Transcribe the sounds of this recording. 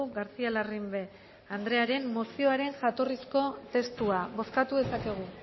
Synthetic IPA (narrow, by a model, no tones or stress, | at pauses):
uɣaɾt͡sialarimbe̞ | and̪ɾe̞aɾe̞mːo̞sio̞aɾe̞ŋʝat̪o̞risko̞t̪e̞st̪uaβo̞skat̪uðe̞sake̞ɣ̞u